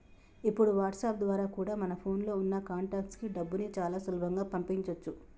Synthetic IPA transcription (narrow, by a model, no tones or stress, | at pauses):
ipːuɽuʋaːɾʈsaːp̚d̪ʋaːɾaːkuːɽaːmɐnɐpʰo̞ːnlo̞ːunːɐkaːɳʈaːkʈskiɖɐbːunit͡ʃaːlaːsulɐbʱɐŋɡaːpɐmpiiɲt͡ʃɐt͡ʃːu